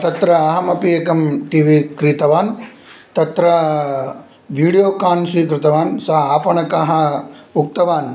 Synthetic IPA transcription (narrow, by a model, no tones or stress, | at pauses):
t̪ɐt̪ɾɐːɦɐmɐpiekɐmʈiːʋikɾit̪ɐʋaːn | t̪ɐt̪ɾɐ | ʋiːɽijoːkaːnsʋiːkɾɪt̪ɐʋaːnsɐɦɐaːpɐɳɐkaɦɐuk̚t̪ɐʋaːn